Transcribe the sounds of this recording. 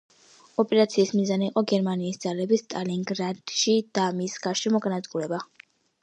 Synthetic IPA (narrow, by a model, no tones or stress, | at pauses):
ɔpʼɛɾat̪sʰiːsmizaniːqʼɔɡɛɾmaniːsd̪z̥alɛbist̪ʼaliŋɡɾad̪̥ʃid̪̥amisɡaɾʃɛmɔɡanat̪sʼɡulɛba